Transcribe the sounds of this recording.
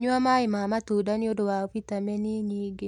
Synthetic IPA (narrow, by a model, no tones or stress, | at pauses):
ɲwamaɪmamat̪udanɪodowapit̪amɛniɲiɡɪ